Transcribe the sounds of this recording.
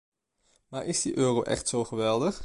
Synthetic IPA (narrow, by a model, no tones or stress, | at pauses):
maːɹʔɪzdiʔøːroʔɛ̰χtsowχəʋɛlˠdəχ